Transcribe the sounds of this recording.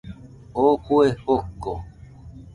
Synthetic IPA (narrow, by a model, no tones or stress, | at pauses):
okuehoko